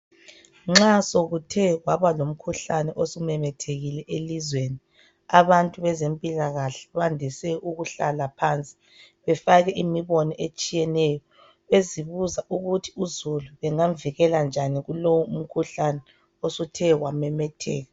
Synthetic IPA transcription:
ŋ͡ǁasoɣutʰɛɣwaβalom̩kʰuɬanɛʔosumɛmɛtʰeɣilɛʔelizweni | aβantʼuβɛzempʼilaɣaɬɛ̥βandʱisɛuɣuɬalapʰant͡sʼi̥ | βɛfaɣɛʔimiβɔnɔʔet͡ʃʼijɛnɛjɔ | eziβuzaʔuɣutʰi̥uzuluβɛŋaɱviɣɛland͡ʒʱaniɣulowɔum̩kʰuɬanɛ | osutʰɛwamɛmɛtʰɛːɣa

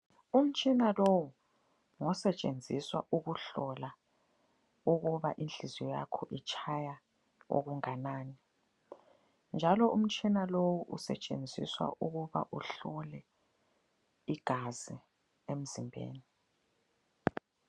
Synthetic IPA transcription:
um̩t͡ʃʼʰinalowu | ŋɔsɛt͡ʃʼend͡zʱiswaʔuɣuɬɔla | uɣuβaʔind͡ɮʱizɔja̰kʰɔʔit͡ʃʰaja | o̰ɣ̬uŋanaːni | nd͡ʒʱalɔum̩t͡ʃʼʰinalowuʔṵsɛ̰t͡ʃʼḛnd͡zʱḭswa̰ʔuɣ̬uβa̰ʔuɬɔlɛ | iɡ̥ʱazi | em̩zimbʱḛːni

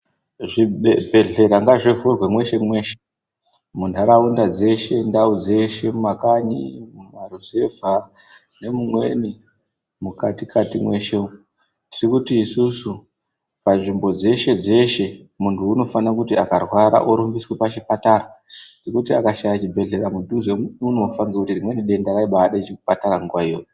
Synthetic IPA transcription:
ʐiebʱe̞ɮe̞ɾaŋɡaʐevurwemwe̞ʃe̞mwe̞ːʃe̥ | mundʱaɾaundad͡ze̞ʃe̞ndaud͡ze̞ʃe̞mumakaɲḭmumaruze̞vʱa | ne̞mumwe̞̰ni | mukatikʰatimwe̞ʃeu | tirikutiːsusu | panʐimbo̞d͡ze̞ʃe̞d͡ze̞ʃe̞ | muntʰuːno̞fanakutiakarwaɾa̰ʔoɾumbiswepaʃipataranɡekutiakaʃajat͡ʃibʱe̞ɮe̞ɾamuɗuzeunuːfaŋɡekutirimwe̞niɗe̞ndaɾaiɓaɗat͡ʃekupataɾaŋɡuwaijo

